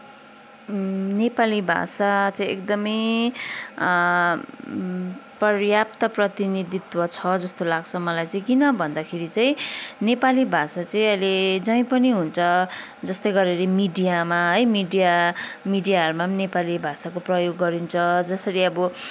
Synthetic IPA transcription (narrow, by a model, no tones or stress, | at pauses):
nepalibʱa̰sat͡saĩḛkd̪ʌmʌj | prʌrjap̚t̪ʌprʌt̪inid̪it̪wʌt͡sʰʌd͡zʌst̪olaɡt͡sʰʌmʌlajt͡saĩkinʌbʱʌnd̪akʰeɾit͡saĩnepalibʱasat͡saĩʌjled͡zʌĩpʌniɦunt͡sʰʌ | d͡zʌst̪ʌjɡʌɾeɾemiɖijamaɦʌjmiɖijamiɖijaɦʌɾumanepalibʱasakoprʌjoɡːʌɾint͡sʰʌd͡zʌsʌɾiʌbʌ